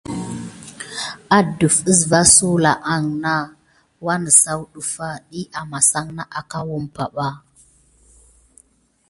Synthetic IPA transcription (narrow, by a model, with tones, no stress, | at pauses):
a˦du˨fə˦sva˦su˦la˨ʔa˨ŋna˦ | wa˦nə˨sa˦wɗu˨fa˦ɗi˦ʔa˨ma˨sa˦ŋna˦ʔa˨ka˦wu˦mpa˨ɓa˦